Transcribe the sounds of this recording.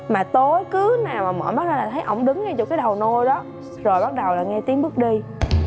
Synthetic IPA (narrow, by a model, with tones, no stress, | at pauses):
maː˨˩t̪o˨˦jkɨ˨˦naː˨˩wmaː˨˩mə̰ː˧˩ma˦˥k̚na˨˧˦laː˨˩t̪ʰjʔə̰˧˩wŋ͡mɗɨ˨˦ŋŋɛ˧t͡ɕɔ˧˩kaː˨˦jɗə˨˩wno˧jɗɔ˨˦ | zo˨˩jɓa˦˥k̚ɗə˨˩wlaː˨˩ŋɛ˧t̪i˨˦əmɓɨ˦˥k̚ɗi˧